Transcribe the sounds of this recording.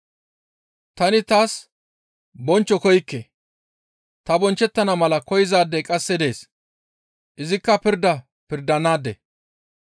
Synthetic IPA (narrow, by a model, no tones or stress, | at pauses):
t̪ɐnɪt̪aːs | bɔnt͡ʃːɔkɔjkːe | t̪ɐbɔnt͡ʃːɛt̪ːɐnɐmɐlɐkɔjɪzaːd̪ːɛkʼɐsːɛd̪e̞ːs | ʔɪzɪkːɐpɪɾd̪ːɐ | pɪɾd̪ɐnaːd̪ɛ̰